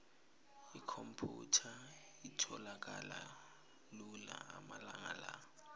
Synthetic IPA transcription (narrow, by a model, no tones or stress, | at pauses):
ikʰompʰutʰa | itʰɔlak̬ʼala | lulaːmalaŋala